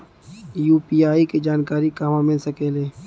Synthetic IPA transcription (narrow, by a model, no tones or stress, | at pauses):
juːpiːaːiked͡ʒaːnkaːɾikaːmamɪlsəkeːleː